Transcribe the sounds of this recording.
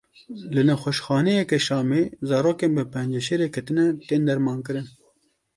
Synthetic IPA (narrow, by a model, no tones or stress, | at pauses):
lɨnɛxʷɛʃxɑːnejɛkɛʃɑːmeːzɑːɾoːkeːnbɨpʰɛnd͡ʒɛʃeːɾekʰɐt̪ɨnɛt̪eːnd̪ɛɾmɑːnkɨɾɨn